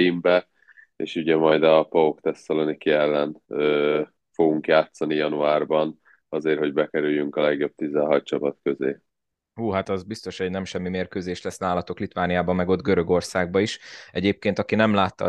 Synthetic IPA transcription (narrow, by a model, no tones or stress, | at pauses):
imbɛ | ḛːʃuɟɛmɒjd̪ɒpɒokt̪ɛst̪ɒlonikiɛlːɛnøː | fo̞ɡuŋkjaːt̪sɒnijɒnuaːrbɒn | ɒzeːrho̞ɟbɛkɛɾyjːyŋkɒlɛɡjo̞b̥̚t̪izɛɦɒc̪̚t͡ʃɒpɒt̪kø̞zeː | huːɦat̪ɒzbist̪o̞ʃhɛɟnɛmʃɛmːimeːrkøːzeːʃlɛsnaːlɒt̪o̞klit̪vaːnijaːbɒmːɛɡo̞d̪ɡøɾø̞ɡo̞rsaːɡ̚bɒiʃɛɟeːp̚keːnt̪ɒkinɛmlaːt̪ːɒ̰